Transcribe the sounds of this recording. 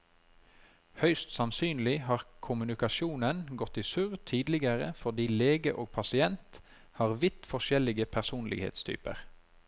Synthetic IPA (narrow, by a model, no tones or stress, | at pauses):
hœʏst̪sɑmsyːnlɪhɑːʁkʰʊmʉnɪkɑʃuːnənɡɔt̪ɪsʉːʁt̪ʰiːd̪lɪɡəʁə̰fɔʁd̪iːleːɡəʔoːɡ̚pʰɑsɪɛnt̪ | hɑːʁʋɪt̪fɔʃɛlɪɡəpʰæʁsuːnlɪ̰ɡhḛːt̪st̪ʰy̰ːpə̰ʁ